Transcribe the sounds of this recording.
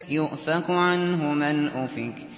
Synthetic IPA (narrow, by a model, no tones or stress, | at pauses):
jʊʔθakʕanɦʊmɪnʔuːfiːk